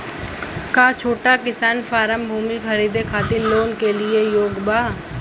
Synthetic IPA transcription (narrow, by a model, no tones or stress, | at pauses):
kaːt͡ʃʰoːʈakɪsaːnfaːɾəmbʱuːmixɐɾiːd̪ʱekʰaːt̪ɪɾloːnkeliejoːɡbaː